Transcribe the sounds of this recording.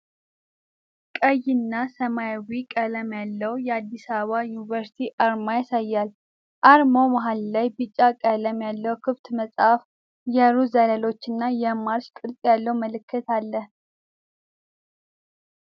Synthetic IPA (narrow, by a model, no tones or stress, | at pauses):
kʼəjːɪnːasəmajwikʼələmjalːəwjɛad̪ːisaβəβajunivəɾsi̥t̪ʰiʔaɾmajasajːal | ʔaɾmo̞maɦalːajbɨt͡ʃʼːakʼələmjalːəwkʰɨft̪məsʼhaf | jɛɾuzalalo̞t͡ʃːɨnːajɛmaɾʃkʼɨlt̪ʼjalːəwməlɨkʰːɨt̪ʰalːəh